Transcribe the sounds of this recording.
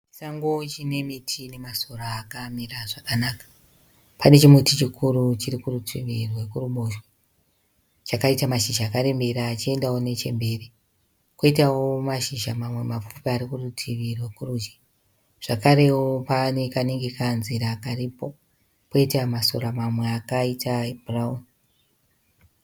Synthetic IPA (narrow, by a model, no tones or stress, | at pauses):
t͡ʃi̥saŋɡot͡ʃine̞mitʰine̞masoraːkamiraʐakanakḁ | pane̞t͡ʃimutit͡ʃikʰuɾut͡ʃirikurutʰiʋirwe̞kuruɓoʃwa | t͡ʃakaitamaʃiʒaːkaɾe̞mbe̞ɾaːt͡ʃie̞ndawone̞t͡ʃe̞̰mbe̞ːri | koitawomaʃiʃamamwe̞map͡fupiaɾikurutʰiʋirwe̞kuruːd͡ʒi̥ | ʐ̥akaɾe̞wopanekaneŋɡekanziɾaːkaripo̞ | keitamaso̰ɾamamweakaitʰabraun